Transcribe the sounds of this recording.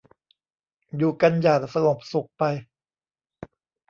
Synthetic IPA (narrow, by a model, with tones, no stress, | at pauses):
juː˨˩ka˧njaː˨˩t̪̚sa˧ŋo˨˩p̚su˨˩k̚pa˧j